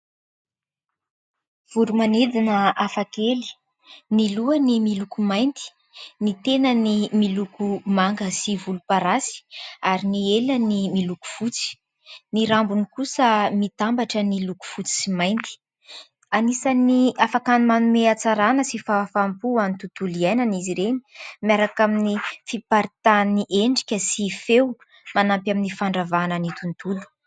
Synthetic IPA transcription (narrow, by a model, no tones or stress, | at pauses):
v̥uɾumaned̪inəafakeli̥ | niluənimilukumajnd̪i̥ | nit̪enənimilukumaŋɡəsivulupaɾasi̥aɾinielənimiluku̥fut͡si̥ | niɾambunikusəmit̪ambaʈ͡ʂəniluku̥fut͡si̥simajnt̪i̥ | anisaniafakanimanumeat͡saɾanəsifafampuant̪ut̪uliajnaniziɾeni̥miaɾakaminifipaɾit̪aniʔeɳɖ͡ʐi̥kʲəsifew | manampjaminifaɳɖ͡ʐavanənit̪unt̪ulu̥